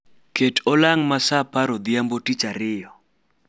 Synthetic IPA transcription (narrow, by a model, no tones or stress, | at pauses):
ketʰɔlaŋmasapaɾɔd̪jambotit͡ʃaɾɪjɔ